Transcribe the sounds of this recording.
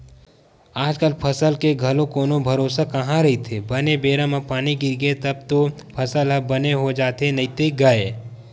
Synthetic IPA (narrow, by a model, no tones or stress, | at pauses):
aːd͡ʒkəlpʰɐsəlkeɡʱɐlõkoːnõbʱɐɾoːsakɐɦãɾɐɦit̪ʰebɐnebeːɾãmãpaːniɡɪɾɡeet̪ɐb̚t̪o | pʰɐsəlɦɐbɐneɦod͡ʒaːt̪enɐit̪eɡɐe